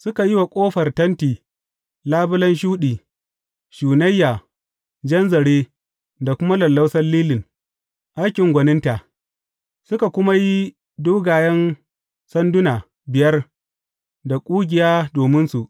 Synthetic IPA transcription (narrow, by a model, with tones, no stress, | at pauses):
sʊ˦ka˨ji˦wa˨kʷʼoː˦ɸɐ˨rtɐ˦ntiː˨ | laː˦bʊ˦lɐ˦nʃ̬uː˦ɗiː˨ | ʃuː˨nɐ˦jːaː˨ | d͡ʒɐ˦nzɐ˨ɽeː˦ | da˨kʷʊ˦ma˦lɐ˨lːɐ˦wsɐ˦rliː˦lɪ˨ŋ | ʔa˦jkʲɪ˨ŋɡʷɐ˨nɪ˦nta˨ʔ | sʊ˦ka˨kʷʊ˦ma˦ji˦ | doː˦ɡaː˨jɐ˦n | sɐ˦ndʊ˦na˨ | bɪ˨jɐ˦r | da˨kʷʼuː˦ɡʲɪ˨jaː˦doː˨mɪ˦nsu˨ʔ